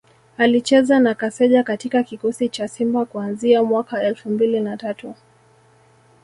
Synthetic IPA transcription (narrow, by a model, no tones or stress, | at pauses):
alit͡ʃɛzanakasɛʄakatikakikɔsit͡ʃasimbakuanziamwakaɛlfumbilinatatu